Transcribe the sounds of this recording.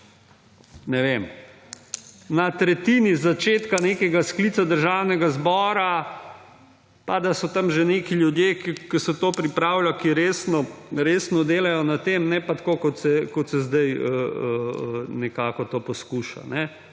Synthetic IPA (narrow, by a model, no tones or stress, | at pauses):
nɛʋem | nat̪ɾɛt̪iːnizat͡ʃeːt̪kaneːkɛɡasklit̪sad̪əɾʒawnɛɡazbɔːɾa | pad̪asɔt̪amʒɛnekiljud̪jekikisɛt̪oːpɾipɾawlakiɾeːsnɔɾeːsnɔd̪eːlajɔnat̪emnɛpat̪kokɔt̪sɛkɔt̪sɛzd̪ajəənɛkaːkɔt̪oːpɔskuʃa̰nɛ